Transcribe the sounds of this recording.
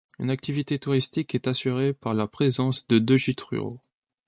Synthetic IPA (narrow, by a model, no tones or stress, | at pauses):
y̰nak̚t̪ivit̪et̪uʁist̪ikɛt̪asyʁepaʁlapχezɑ̃sd̪əd̪əʒit̪χy̰ʁo̰